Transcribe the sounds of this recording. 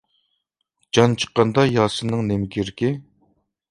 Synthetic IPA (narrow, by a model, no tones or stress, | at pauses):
d͡ʒɑnt͡ʃʰə̥qːɑnd̪ɑjɑːsɨnɨŋnemkʲʰiɾkʲɪ